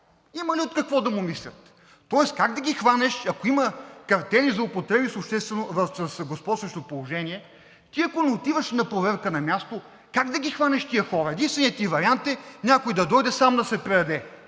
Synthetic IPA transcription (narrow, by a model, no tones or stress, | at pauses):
imɐliot̪kɐkvɔd̪ɐmʊmislʲɐt̪ː | ɔɛskaɡd̪ɐɡʲixvanɛʃɐkoimɐkɐɾt̪ɛnizɐʊpot̪ɾɛbisʊpʃt̪ɛst̪vɛnovɐfsəsɡospɔt̪svəʃt̪opolˠoʒɛniɛ | t̪iɐkonɛot̪ivɐʃnɐpɾovɛɾkənɐmʲjast̪o | kaɡd̪ɐɡʲixvanʲɛʃt̪ijəxɔɾɐɛd̪inst̪vɛnit̪ʲivɐɾʲiant̪ɛnʲakojd̪ɐd̪ɔjd̪ɛsamd̪ɐsɛpɾɛd̪ɐd̪ɛ